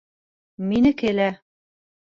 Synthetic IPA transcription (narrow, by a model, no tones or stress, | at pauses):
minɘkelæ